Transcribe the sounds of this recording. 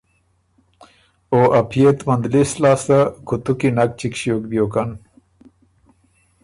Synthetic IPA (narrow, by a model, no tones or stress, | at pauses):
oːʔɐpʰijet̪mɐnd̪lislaːst̪akʰut̪ukinɐk̚t͡ɕikɕjoːk̚b̪joːkan